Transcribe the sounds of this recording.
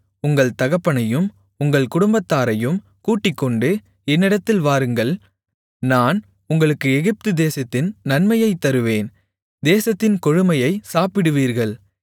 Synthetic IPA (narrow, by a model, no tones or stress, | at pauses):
ʊŋɡɐɭt̪ɐɣɐpːɐɳɐjɯm | ʊŋɡɐɭkʊɽʊmbɐt̪ːaːɾɐjɯm | kuːʈːɪkːɔɳɖɯ | ɛnːɪɽɐt̪ːɪlʋaːɾɯŋɡɐɭ | naːn | ʊŋɡɐɭɯkːɯɛɣɪp̚t̪ɯd̪eːsɐt̪ːɪnnɐnmɐjɐɪt̪ːɐɾɯʋeːn | d̪eːsɐt̪ːɪnkɔɻɯmɐjɐɪsaːpɪɽɯʋiːɾɣɐɭ